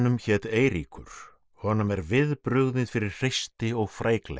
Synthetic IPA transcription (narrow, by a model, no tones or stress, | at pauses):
nʏmçɛːt̪eːjɾḭkʏ̰ɾ̥ | hɔnʏmɛɾvɪðpɾʏɣðɪnfɪɾɪɾ̥r̥ejst̪ɪɔɣfɾaːjklḛ